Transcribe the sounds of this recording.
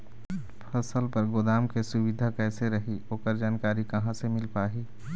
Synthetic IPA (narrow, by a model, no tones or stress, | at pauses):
pʰɐsəlpɐɾɡod̪aːmkesʊwɪd̪ʱakɛːseɾɐɦioːkəɾd͡ʒaːnkaːɾikɐɦãsemɪlpaːɦiː